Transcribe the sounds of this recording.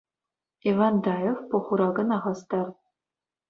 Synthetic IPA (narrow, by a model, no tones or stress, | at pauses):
ivɑnd̪ɑjofpuχuɾɑɡɤ̆nɑʁɑst̪ɑr